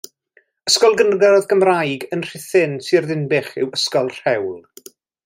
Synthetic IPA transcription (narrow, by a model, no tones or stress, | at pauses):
əskɔlˠɡənɡɛɾɔðɡəmrajɡənr̥ɪθɪntʰirðɪnbɪχɪ̰wəskɔlˠr̥ɛwlˠ